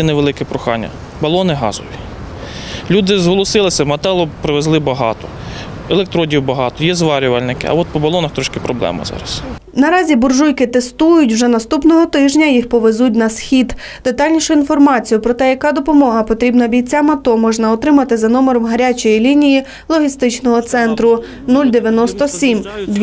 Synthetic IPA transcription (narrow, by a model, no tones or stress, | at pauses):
ɛneʋelˠɪkɛpɾʊxɑ̰nʲːɐ̰ | bɐlˠɔnɪɦɑ̰zɔʋʲi | lʲud̪ɪzɦɔlˠɔsɪlˠɪsʲɐmɐt̪ɛlˠɔpɾɪʋezlˠɪbɐɦɑ̰t̪ɔ | elˠek̚t̪ɾɔdʲiwbɐɦɑt̪ɔjɛzʋɑɾʲʊʋɐlʲnɪkɪ̰ɐ̰ɔt̪̚pɔbɐlˠɔnɐxt̪ɾɔʃkɪpɾɔblˠɛ̰mɐ̰zɑ̰ɾɐs | nɐɾɑzʲibʊrʒujkɪt̪est̪ujʊtʲwʒɛnɐst̪upnɔɦɔt̪ɪʒnʲɐjixpɔʋezutʲnɐsxʲid̪ | d̪̥et̪ɑlʲnʲiʃʊinfɔrmɑt͡sʲijʊpɾɔt̪ɛjɐkɑd̪ɔpɔmɔɦɐpɔt̪ɾʲibnɐbʲijt͡sʲamɐt̪ɔmɔʒnɐɔt̪ɾɪmɐt̪ɪzɐnɔmeɾɔmɦɐɾʲat͡ʃɔjilʲinʲiji | lˠɔɦʲist̪ɪt͡ʃnɔɦɔt̪sɛnt̪ɾʊ | nulʲd̪eʋʲjɐnɔst̪ɔsʲimd̪ʲ